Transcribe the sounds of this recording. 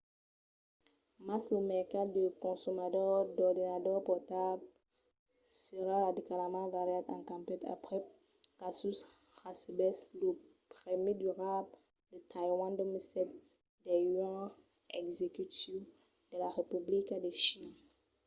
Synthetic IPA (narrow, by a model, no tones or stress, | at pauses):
maslomɛʁkatd̪əkɔ̃sɔmat̪œʁd̪ɔʁd̪inat̪œʁpɔʁt̪abl | səʁaʁad̪ikalmɑ̃vaʁjablɑ̰̃kɑ̃pɛt̪a̰pχɛ | kasus | ʁasibɛslə | pʁemed̪yʁab | dət̪ʰajwãnd̪omisɛt̪̚ | d̪ɛɥɛ̃ | ɛɡzekyt̪if | d̪əlaʁepyblikad̪əʃin